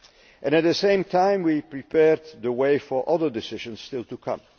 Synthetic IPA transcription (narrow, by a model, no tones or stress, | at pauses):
ʔɛ̃ñæt̪̚ðəsẽɪ̃mtʰãɪ̃mwipɹipʰɛɹd̪ðəweɪfə˞ʔʌðə˞dɪsɪʒə̃nsstɪlˠtukʰʌ̰̃m